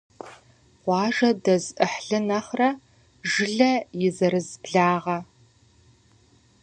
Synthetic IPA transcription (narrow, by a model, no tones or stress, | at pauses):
qʷɑːʒɐdɐzʔɨħɬɨnɐχrɐ | ʒɨɮɐjɪzɐɾɨzbɮaːʁɐ